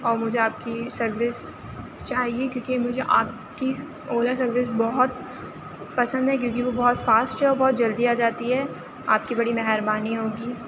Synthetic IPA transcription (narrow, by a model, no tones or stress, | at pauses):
ɔːɾmʊd͡ʒʱeaːpkisɐɾʋɪs | t͡ʃaːɦiekjõːkimʊd͡ʒʱeʔaːp | ki | oːlas̬ɐɾʋɪs̬bɔɦʊt̪ | pɐsə̃nd̪ʱɦɛk̬jõːk̬iʋobɔɦɔt̪faːsʈɦɛɔːɾbɔːt̪̚d͡ʒɐld̪iaːd͡ʒaːt̪iɦɛ | a̰ːp̚kibɐɽimɛɦɛɾbaːniɦoːɡiː